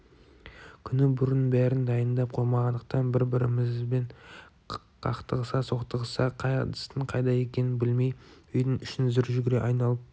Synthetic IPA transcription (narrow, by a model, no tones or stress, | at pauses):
kʲʰʏnɪbʊɾənbæɾɪnd̪ɑjənd̪ɑp̚qʰo̞jmɑʁɑnd̪əq̚t̪ɑnbɪɾbɪɾɪmɪzbeɴ | qʰɑqt̪əʁəsɑso̞qt̪əʁəsɑqʰɑjd̪ə̥st̪əɴqʰɑjd̪ɑje̞kʲe̞nɪnbɪlme̞jʏjd̪ɪnʏʃɪnzʏɾʒʏɡʲɪɾe̞ʔɑjnɑlˠəp